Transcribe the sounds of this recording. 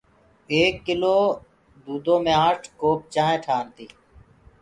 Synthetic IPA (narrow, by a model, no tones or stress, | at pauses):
eːkːɪloː | d̪uːd̪õːmẽːaːʈʰkoːp̚t͡ʃãːẽːʈʰaːnt̪iː